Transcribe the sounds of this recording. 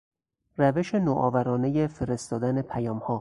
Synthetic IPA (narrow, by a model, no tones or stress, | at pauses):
ræveʃe̞noʔɒːvæɾɒːnejefe̞ɾe̞st̪ɒːd̪ænepʰæjɒːmhɒː